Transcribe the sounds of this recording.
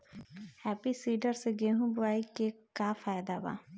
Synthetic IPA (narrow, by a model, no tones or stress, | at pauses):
hɛːpiːsiːɖəɾseɡeːɦũːbʊaːiːkekaːfʰaːjd̪aːba̰ː